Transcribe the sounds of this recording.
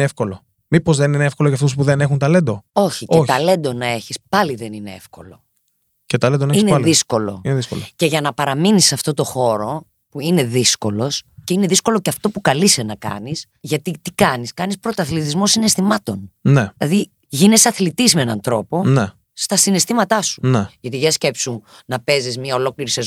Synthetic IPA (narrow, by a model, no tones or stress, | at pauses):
efko̞lo | mipo̞zðenineefko̞loʝɐft̪uspuðenexunt̪ɐlend̪oo̞çieoçt̪ɐle̞nd̪o̞nɐe̞çispɐliðenine̞ḛfko̞lo̞̰ | cet̪ɐlend̪oneiineðisko̞lo̞̰ineðisko̰loce̞ʝɐnɐpɐɾɐminisɐft̪o̞t̪o̞xo̞ɾo̞ | puine̞ðisko̞lo̞sceineðisko̞lo̞ceɐft̪o̞pukɐlisenɐkɐ̰nis | ʝɐt̪it̪ikɐniskɐnispɾo̞t̪oɐθlit̪̬izmo̞sine̞st̪imɐt̪o̞nnelɐði | ʝine̞sɐθlit̪izmeenɐ̰nt̪ɾo̞po̞ne | st̪ɐsine̞st̪imɐt̪ɐsu̥neʝɐt̪iʝɐsce̞psu | nɐpe̞zizmɲɐo̞lo̞kliɾisez